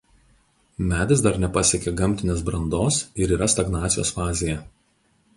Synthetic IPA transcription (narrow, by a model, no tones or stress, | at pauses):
mʲæːd̪ʲɪsd̪ɐɾnʲɛpɐsʲɛkʲeɡɐmʲˑt̪ʲɪnʲeːsbɾɐnd̪oːsɪɾiːɾɐst̪ɐɡnɑːt̪sʲɪjo̰ːsfɑːzʲejɛ